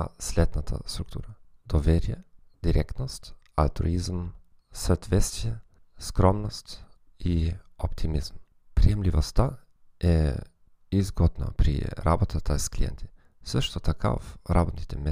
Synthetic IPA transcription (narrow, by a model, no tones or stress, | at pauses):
asʲlʲɛd̪nət̪ʰə̰st̪ɾuk̚t̪ṵɾəd̪̥ɔvʲeɾʲɪjə | d̪̥ʲɪɾʲʔɛkt̪nəsʲtʲalʲt̪ɾṵizm | sət̪vʲɛt̪st̪vʲijə | skɾɔmnəsʲtʲ | iɔpt̪ʰʲimʲizm | pɾʲɪjɛmlʲivəsʲt̪a | ɛ | izɡɔd̪nə̰pɾʲḭɾʔa̰bot̪ət̪ʰasklʲijɛ̰nt̪ʰʲɪ | fsʲɔʂt̪ɔt̪ʰakʰa̰vɾabot̪nʲɪt̪ʲemʲːe